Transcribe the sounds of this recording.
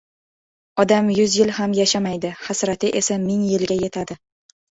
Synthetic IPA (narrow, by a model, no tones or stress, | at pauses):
ɒd̪amjʊzjɪlhamjaʃamajd̪ɪhasɾat̪ʰɪʔe̞samɪŋjɪlɡʲaje̞t̪ʰad̪ɪ